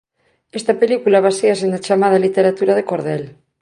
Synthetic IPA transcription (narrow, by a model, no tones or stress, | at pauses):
est̪ɐpelikulaβ̞aseasenat͡ʃamað̞alit̪eɾat̪uɾaðekoɾð̞el